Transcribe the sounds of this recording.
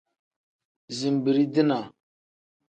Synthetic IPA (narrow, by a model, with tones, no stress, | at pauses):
zi˨m˨bi˨ɾi˦di˦na˨